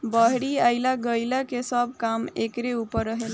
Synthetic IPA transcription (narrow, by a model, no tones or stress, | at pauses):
bəɦɽiaɪlaɡəjlakesəb̚ʱkamekɾeupəɾːəɦel